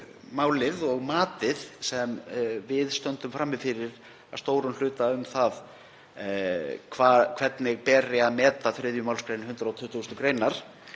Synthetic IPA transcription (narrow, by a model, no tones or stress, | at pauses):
maːwlɪðɔɣmaːt̪ɪðsɛmvɪðst̪œnt̪ʏmfɾamːɪfɪɾɪɾ | aðst̪oːwɾʏnl̥ʏːt̪aʏmθað | kʰvakʰvɛt̪nɪɣpɛːɾɪaðmɛːt̪aθɾɪðjʏmawlskɾejnhʏnt̪ɾaawt̪ʰʏht̪ːust̪ʏkɾejnaɾ̥